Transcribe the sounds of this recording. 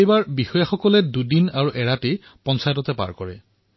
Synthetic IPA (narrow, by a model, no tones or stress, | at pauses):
ejbaɹbixɔjaxɔkɔlɛdudinaɹuʔɛɹate | pɔnsajtɔtɛpa̰ɹkɔɹɛ̰